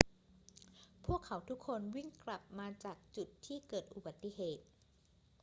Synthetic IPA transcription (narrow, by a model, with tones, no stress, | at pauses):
pʰu˥˩əkʰːa˩˦wt̪ʰu˦˥kʰːo˧nwi˥˩ŋkla˨˩p̚maː˧t͡ɕaː˨˩k̚t͡ɕu˨˩t̪ʰːiː˥˩kɤː˨˩t̪̚ʔu˨˩ba˨˩t̪ːi˨ɦeː˨˩t̪̚